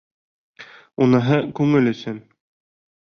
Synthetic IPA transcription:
unɤ̆ɦɤkʉŋɘlɵ̆sɵn

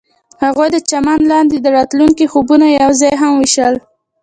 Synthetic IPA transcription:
haɣojd̪ət͡ʃamanlɑnd̪ed̪əɾɑt̪luŋkixubunajawzɑjɦamwiʃəl

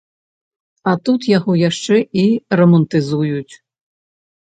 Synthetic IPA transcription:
ɐt̪ut̪jaɣɔjaʂt͡ʂɛʔirɐmɐnt̪ɨzujut͡sʲ

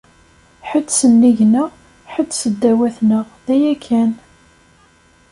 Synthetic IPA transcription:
ħət͡sːsənːiʝnə | ħət͡sːsəd̪ːæwæθnəʁðæjækʰːæn

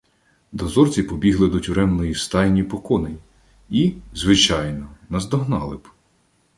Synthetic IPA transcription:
d̪ɔzɔrt͡sʲipɔbʲiɦlˠɪd̪ɔtʲʊɾɛmnɔjist̪ɑjnʲipɔkɔnɪ | izʋɪt͡ʃɑjnɔnɐzd̪ɔɦnɑlˠɪb

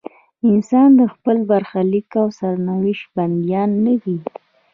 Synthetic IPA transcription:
ɪnsɑnd̪əxpəlbaɾxalikawsaɾnawɪʃband̪jɑnːəwi

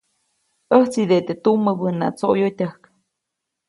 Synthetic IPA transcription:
ʔəht͡sid̪et̪et̪uməbəna̰t͡soʔjot̪ʲəhk

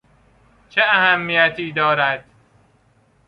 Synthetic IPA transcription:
t͡ʃʰeæhæmːijæt̪ʰiːd̪ɒːɾæd̪̥̚

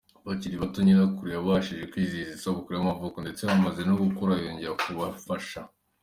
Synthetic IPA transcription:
βaciɾiβatoɲiɾakuɾijaβaʃiʒekwizizisaβukuɾijamavokondet͡seβamaze̞noɡukoɾajoːɲɟe̞ɾakuβafaʃa

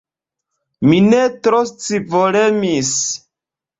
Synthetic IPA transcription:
minetɾost͡sivolemis

